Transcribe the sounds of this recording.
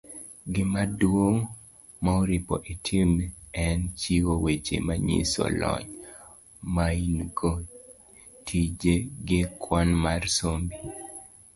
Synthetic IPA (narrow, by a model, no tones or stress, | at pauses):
ɡɪmadwoŋ | maoɾipɔ̰ʔitʰimɛnt͡ʃiwowet͡ʃḛmaɲḭsɔ̰lɔ̰ɲ | mainɡo | tʰid͡ʒeɡɪkʰwanmarsombi